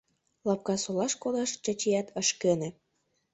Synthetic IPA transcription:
lɑp̚kɑsolɑʃkod̪ɑʃt͡ɕɑt͡ɕijæt̪əʃkene

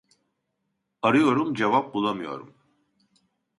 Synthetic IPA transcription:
aɾɯjo̞ɾumd͡ʒevap̚bulˠamɯjo̞̰ɾṵm

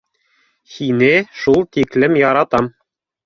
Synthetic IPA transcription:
hinɘʃulˠt̪iklɘmjɑɾɑt̪ɑm

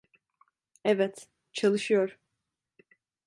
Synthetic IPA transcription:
ɛvɛt̪ | t͡ʃʰalˠɯʃɯjoɾ̥

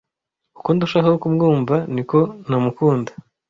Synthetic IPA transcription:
ukuːnduʃaɦoukumɡuːmbaniko̞namukuːndḁ

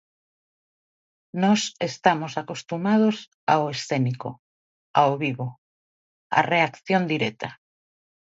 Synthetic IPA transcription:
nɔsest̪amosakost̪umað̞os | aoesθeniko̰ | aoβiβo | a̰reakθjond̪iɾet̪a

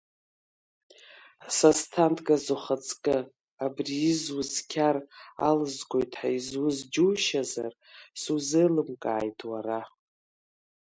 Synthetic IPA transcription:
sastʰantʰʼɡazoχat͡sʼkʼɪ | abriːzwʊzkʲʰara̰lɨzɡʷo̞jtʰʼħaizwʊzd͡ʒuːʃaza̰r | suzɨlɨmkʼa̰ːjtʼʰwara

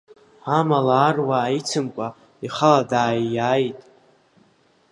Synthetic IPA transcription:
amalaːrwaːit͡sʰɨmkʷʼa | iχaladaːjajtʼ

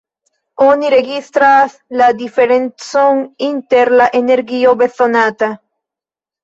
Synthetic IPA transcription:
onireɣist̪ɾaslad̪ifeɾensoŋint̪eɾlaʔeneɾɡiobeθonat̪a

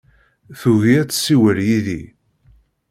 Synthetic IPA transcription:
θuɣiæt͡sːə̥sːiwəljiðḭ

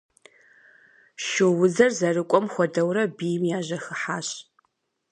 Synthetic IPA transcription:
ʃɪwʊzɐrzɐrɨkʷʼɔmxʷɔdɐwrɐbijmjaːʑɐxɨħaːɕʼ

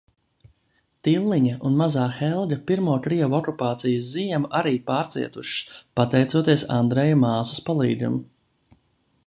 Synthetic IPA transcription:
t̪ilˠːiɲaunmazaːxɛlˠdʲɐpiɾmuːkɾiɛvɔkupaːt̪sijəszijɛmuʔaɾiːpaːɾt̪sḭɛt̪uʃspat̪ɛjt̪suɔt̪iɛsa̰nd̪ɾɛjɐmaːsu̥spalˠḭːd̪ʲṵm

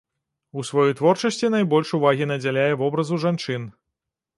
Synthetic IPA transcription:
usvajɔjt̪vɔrt͡ʂɐsʲt͡sʲinajbɔlʲʂuvaɣʲinɐd͡zʲalʲajɛvɔbɾɐzuʐant͡ʂɨn

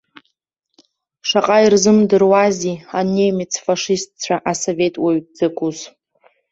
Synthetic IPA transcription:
ʂaqʼairzɨmdɨrwazianemit͡sʰfaʂist̚t͡ɕʷʰaʔaso̞ve̞tʼwaɥd͡zɨkʷʰʼuz

